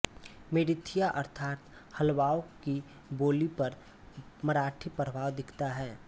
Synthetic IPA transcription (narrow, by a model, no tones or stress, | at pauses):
meːɖɪt̪ʰijaʔɐɾt̪ʰaːt̪ | həlʋaːoki | boːlipɐɾ | mɐɾaːʈʰipəɾʋaːʋd̪ɪkʰt̪aɦɛː